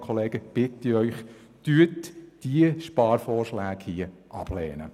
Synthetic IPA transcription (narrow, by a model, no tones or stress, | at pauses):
kʰɔleːɡəb̥ɪt̪iœʏχ | t̪yːətd̥iəʃpɑːɾfɔːrʃlæːɡhiəʔɑb̥lɛ̰ːnə